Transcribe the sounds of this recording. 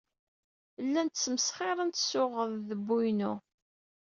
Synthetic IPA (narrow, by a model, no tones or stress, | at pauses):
lːænt̪əsːməsχeɾˤənt̪sʊʁəððəbːujnʊ